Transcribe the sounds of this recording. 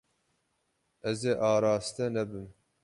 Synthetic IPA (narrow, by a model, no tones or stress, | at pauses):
ɛzeːʔɑːɾɑːst̪ɛnɛbɨm